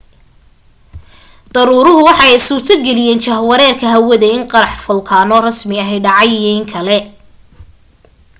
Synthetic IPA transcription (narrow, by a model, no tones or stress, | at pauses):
d̪̥ɐɾuːɾʊɦʊwɑħɑjɪsuːrt̪ʰɐɡɛlɪjɛːnt͡ʃɐhwɐɾɛːrkʰɐɦɐwɐðɛɪŋqɑɾɑħfʊlkʰaːnɔrɐsmɪɐɦɛjɖɑʕɑjijɐɪŋkʰɐlɛ